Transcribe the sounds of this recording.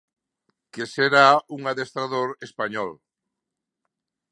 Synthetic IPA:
keseɾauŋaðest̪ɾaðoɾespaɲɔl

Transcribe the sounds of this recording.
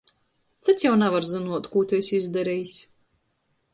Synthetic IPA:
t̪sɨt̪sjawnavaɾzɨnuɔt̪kuːt̪ʲɛjsʲizd̪aɾɛjisʲ

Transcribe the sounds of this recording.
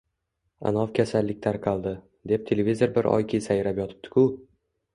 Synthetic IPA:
a̰nɒfkʲʰasalːɪk̚ʲt̪ʰaɾqʰɑlˠd̪ɪ | d̪e̞p̚t̪ʰe̞levʲizoɾbɪɾʔɒ̰jkʲʰisajɾapjɒt̪ʰɪ̥p̚t̪ɪ̥kʰʊ

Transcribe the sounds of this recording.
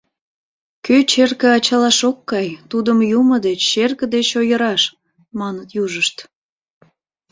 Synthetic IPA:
køt͡ɕerkəɑt͡ɕɑlɑʃokːɑjt̪ud̪əmjuməd̪et͡ɕːerkə̆d̪et͡ɕojəɾɑʃ | mɑnət̪juʒəʃt̪

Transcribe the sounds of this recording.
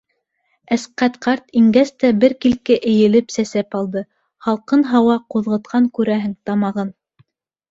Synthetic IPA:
æsqæt̪qɑɾt̪iŋɡæst̪æbɘɾkilkɘʔɘ̆jɘ̆lɘpsæsæpɑlˠd̪ɤ | χɑlˠqɤnɦɑwɑquðʁɤ̆t̪̚qʰɑŋkʉɾæɦɘŋt̪ɑmɑʁɤn

